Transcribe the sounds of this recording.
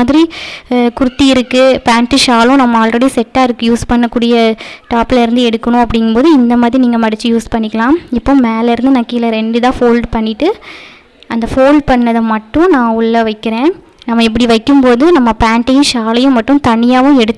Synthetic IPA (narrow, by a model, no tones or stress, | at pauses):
aːðɪɾikʊɾɯt̪ːiɪɾɯkːɯpaːɳʈɯʃaːlʊ̃nɐmːɐaːlrɐɽisɛʈːaːɪɾɯkːɯjuːspɐɳːɐkːuːɽɪjɐʈaːpɪlɐɪɾɯnd̪ɯɛɽɯkːɐɳʊ̃ɐp̬ːɐɽɪŋɡɐpoːðɯɪnd̪ɐmaːðɾiniːŋɡɐmɐɽɪt͡ʃːɯjuːspɐɳːɪkːɐlãːɪpːoːmeːlɐɪɾɯnd̪ɯnɐːkːiːlɐɾɛɳɖɯðãːfoːlɖpɐɳːɪʈːɯ | ʔɐnd̪ɐfoːlɖ̚pɐɳːɐðɐmɐʈːʊ̃nãːʊɭːɐʋɐɪkːɪɾẽː | nɐmːɐɛp̬ːɐɽiʋɐɪkːɯmpoːðɯnɐmːɐpaːɳʈɐjʊ̃ʃaːlɐjʊ̃mɐʈːʊ̃t̪ɐɳːɪjaːʋʊ̃ɛɽɯt̪ː